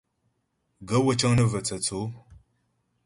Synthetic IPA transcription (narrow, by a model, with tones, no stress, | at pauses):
ɡɐ˦wɐ˦t͡ʃʼɐ˦ŋnə˦vɐ˨t͡sʰɐ˨t͡sʰo˦